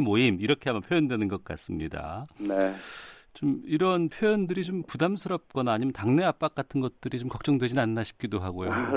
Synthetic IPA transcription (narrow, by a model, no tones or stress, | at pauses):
moimiɾʌkʰeamʌnpʰjojʌndwenɯnɡʌk̚k͈a̰s͈ɯmɲida̰net͡ɕomiɾʌnpʰjojʌndɯɾit͡ɕompudamsʰɯɾʌp̚k͈ʌnaːɲimjʌntaŋne̞ap͈ak̚k͈atʰɯnɡʌt̚t͈ɯɾit͡ɕomkʌk̚t͡ɕ͈ʌŋdwe̞d͡ʑinanːaɕʰi̥p̚k͈idoɦaɡojo